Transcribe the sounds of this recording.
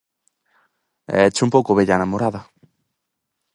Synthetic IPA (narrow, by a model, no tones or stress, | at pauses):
ɛ̰t͡ʃumpowkoβeʎanamoɾaðɐ